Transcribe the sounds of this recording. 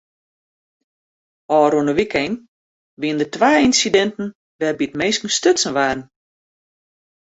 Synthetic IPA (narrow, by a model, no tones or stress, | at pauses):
ɔːɾuənəʋikɛjn | ʋiəndətʋaːinsidɛntn̩ | ʋɛrbitmeːskən̩støtsən̩ʋaːrn̩